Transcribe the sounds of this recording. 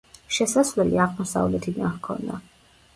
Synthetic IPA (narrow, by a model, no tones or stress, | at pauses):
ʃɛsasvlɛliaʁmɔsa̰vlɛt̪ʰid̪ankʰɔ̰nd̪a